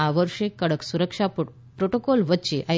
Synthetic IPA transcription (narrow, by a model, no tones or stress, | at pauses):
aʋəɾʂekːəɽəksuɾəkʂap | pɾoʈokɔlʋətːt͡ɕeʔə